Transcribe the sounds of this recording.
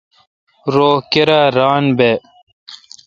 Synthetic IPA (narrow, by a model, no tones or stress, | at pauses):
ɾoːkeɾaɾaːnbe